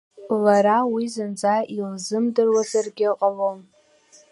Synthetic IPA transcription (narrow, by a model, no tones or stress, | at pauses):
laɾawizɨnd͡zʼaʔilzɨmdɨrwazarɡʲɪqʼalom